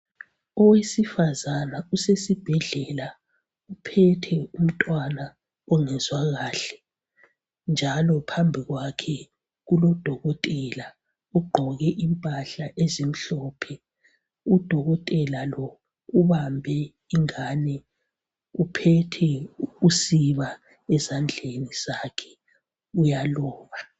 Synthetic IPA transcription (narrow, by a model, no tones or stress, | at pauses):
ɔwesifazanausesib̥ʱɛɮɛla | upʰɛtʰɛum̩tʼwana | ɔŋɛzwaɣaːɬɛ̥ | nd͡ʒʱalɔpʰambʱiɣwakʰɛ | ɣulɔd̥ʱɔɣɔtʼɛla | uɡ͡ǃʱɔɣɛʔimpʼaɬaʔezim̩ɬɔpʰɛ | ud̥ʱɔɣɔtʼɛlalɔ | uβambʱɛ | iŋaːnɛ | upʰɛtʰɛusiβa | ɛzand͡ɮʱeniz̥akʰɛ̥ | ujalɔːβa